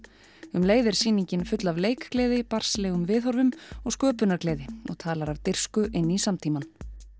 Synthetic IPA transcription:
ʏmleːjðɪɾ̥siːniɲcɪnfʏt̪lavleːjkklɛːðɪpar̥slɛːɣʏmvɪːθɔɾvʏmɔɣskœːpʏnaɾklɛːðɪɔ̰ɣt̪ʰaːlaɾavt̪ɪr̥skʏʔɪnːisamt̪ʰiːman

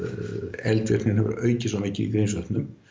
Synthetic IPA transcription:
ɛlt̪vɛ̰rt̪nɪnɦɛvʏɾ̰œːɥcɪsɔmiːcɪḭðɾejns̬œht̪nʏm

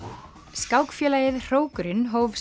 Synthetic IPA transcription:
skawkfjɛːlaːjɪðr̥oːwkʏɾɪnɦoːwvs

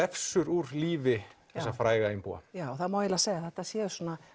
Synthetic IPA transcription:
ɛfsʏɾuɾliːvɪθɛsːafɾaːjɣaɪmpṵa̰jaɔθaðmawɪlaseːjɣaθɛht̪asjɛːðʏsɔːna

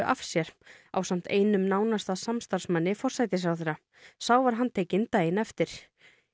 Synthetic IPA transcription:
ʔafsjɛɾ̥a̰wsam̥t̪eːjnʏmnaːwnast̪aðsamst̪ar̥smanːɪfɔr̥sajt̪ɪsɾawθeɛːɾa | sawvaɾɦanːt̪ʰeːjcɪnt̪ajɪnɛft̪ɪɾ̥

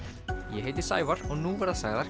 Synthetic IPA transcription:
jɛɦeːjt̪ɪ̥sa̰ːjvaɾɔɣnuvaɾðasaːɣðaɾ̥

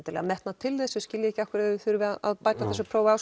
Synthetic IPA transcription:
t̪ɪɾlɛ̰ɣamɛht̪nat̪ʰɪlðɛsɛscɪljɪɛhcɪakʏɾaɪθʏɾvɪaa̰ðpaːjt̪aθɛsʏpʰɾoːwaws

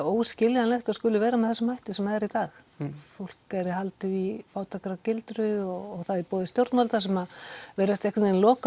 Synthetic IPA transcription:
oːwscɪljanɛxt̪aðskʏːlʏvɛːɾamɛðθɛsamajht̪ɪsɛmːaðɛɾit̪aːxfowl̥kɛɾɪhalt̪ɪifaːwt̪ʰakɾacɪlt̪ɾʏɔɣɔɣθaðipɔːðɪst̪jowɾt̪nalt̪as̬ɛmaveːɾast̪ɛjhkv̥enlɔːka

